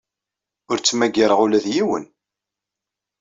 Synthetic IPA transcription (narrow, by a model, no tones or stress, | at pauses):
ʊɾt͡sːmæɡəɾəʁʊlæðjiwə̰n